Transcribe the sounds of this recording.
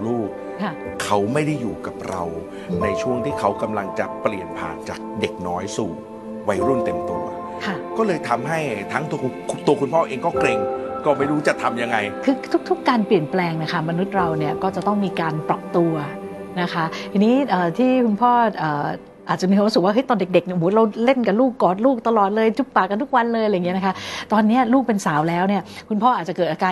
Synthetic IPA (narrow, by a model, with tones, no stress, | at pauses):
luː˥˩k̚ | kʰa˥˩kʰa˦˥wma˥˩jda˥˩jːuː˨˩ka˨˩p̚ɾa̰˧w | na˧jt͡ɕʰu˥˩əŋt̪ʰiː˥˩kʰa˦˥wka˧mla˧ŋt͡ɕa˨˩pli˨˩ənpʰa̰ː˨˩nt͡ɕaː˨˩k̚de˨˩k̚nɔː˦˥jsuː˨˩ | wa˦jɾu˥˩nt̪e˧mt̪u˧˩ɐ | kʰa˥˩kɔː˥˩lɤː˧jt̪ʰa˧mɦa˥˩jt̪ʰaː˦˥ŋt̪u˧t̪u˧ɐkʰu˧npʰɔː˥˩ʔeː˧ŋkɔː˥˩kle˧ŋkɔː˥˩ma˥˩jɾuː˦˥t͡ɕa˨˩t̪ʰa˧mja˧ŋːa˧jkʰɯː˧t̪ʰu˦˥k̚t̪ʰu˦˥kːaː˧npli˨˩ənplɛː˧ŋna˦˥kʰa˦˥˩ma˧nu˦˥t̪̚ɾa˧wni˥˩ɐkɔː˥˩t͡ɕa˨˩t̪ɔ˥˩ŋmiː˧kaː˧npɾa˨˩p̚t̪u˧ɐ | na˦˥kʰa˦˥ʔt̪ʰiː˧niː˦˥ʔəː˨˩t̪ʰiː˥˩kʰu˧npʰɔː˥˩ʔɤː˨˩ | ʔaː˨˩t̪̚t͡ɕa˨˩miː˧ɾu˦˥sɯ˨˩k̚waː˥˩ɦɤ˦˥jt̪ɔː˧nde˨˩k̚de˨˩k̚ni˥˩˨mu˦˥ɾa˧wle˥˩nka˨˩nluː˥˩kːɔː˨˩t̪̚luː˥˩k̚t̪a˧lɔː˨˩t̪̚lɤː˧jt͡ɕʰu˦˥p̚paː˨˩kːa˧nt̪ʰu˦˥k̚wa˧nlɤː˧jljːŋi˦˥na˦˥kʰa˦˥t̪ɔː˧nːi˦˥ɐluː˥˩k̚pe˧nsaː˩˦wlɛː˦˥wni˥˩ɐkʰu˧npʰɔː˥˩aː˨˩t̪̚t͡ɕa˨˩kɤː˨˩t̪̚ʔaː˧kaː˧